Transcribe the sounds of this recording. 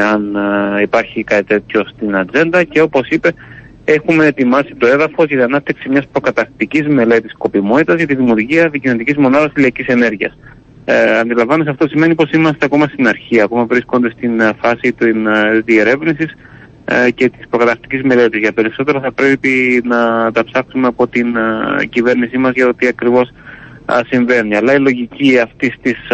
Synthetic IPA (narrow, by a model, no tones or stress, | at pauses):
ɐnipɐɾçikɐt̪it̪e̞t̪ço̞st̪inɐd͡ze̞nd̪ɐce̞o̞po̞sipe̞ | e̞xume̞ːt̪imɐsit̪o̞e̞ðɐfo̞zʝɐt̪iɐnɐp̚t̪i̥ksimɲɐspɾo̞kɐt̪ɐft̪icizme̞le̞t̪isko̞pimo̞t̪it̪ɐzʝɐt̪iðimjuɾʝiɐðicinot̪icizmo̞nɐðɐsilɐcise̞ne̞ɾʝiɐ̰s | ɐnd̪ilɐɱvɐnusɐft̪o̞sime̞nipo̞simɐst̪e̞ɐko̞mɐst̪inɐɾçiɐko̞mɐvɾisko̞nd̪e̞st̪infɐsit̪inðie̞ɾe̞vnisis | ce̞t̪i̥spɾo̞kɐt̪ɐθt̪i̥cizme̞le̞t̪izʝɐpe̞ɾiso̞t̪e̞ɾoθɐpɾepinɐt̪ɐpsɐksumeɐpo̞t̪inɟive̞ɾnisimɐzʝɐt̪ot̪iɐkɾivo̞s | siɱve̞niɐlɐilo̞ʝiciɐft̪ist̪is